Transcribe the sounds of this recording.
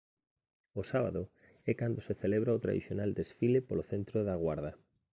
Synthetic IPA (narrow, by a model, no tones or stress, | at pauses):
osaβa̰ðo | ɛkand̪oseθeleβɾaot̪ɾa̰ðḭθjonald̪esfilepoloθent̪ɾoðaɣwaɾðɐ